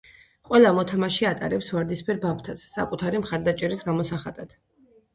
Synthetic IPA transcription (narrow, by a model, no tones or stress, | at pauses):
qʼwɛlˠamɔt̪ʰamaʃiat̪ʼaɾɛpsvaɾd̪ispʰɛɾbap̚ʰt̪ʰasːa̰kʼut̪ʰaɾimχaɾd̪at͡ʃʼɛɾisɡamɔsaχad̪ad̪̥